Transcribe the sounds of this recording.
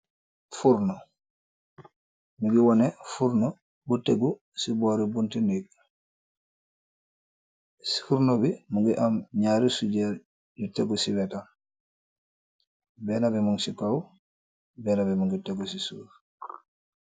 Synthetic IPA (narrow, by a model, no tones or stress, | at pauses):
fuɾnɔ | muɡiwɔnefuɾno | buteɡu | siboːɾibuntiniɡ̚ | sfuɾnobimuɡiʔamɲaːɾisuɟɛɾ | juteɡusiwɛtan | bɛːnabimuŋsikaw | bɛːnabimuŋɡiteɡusisuːɾ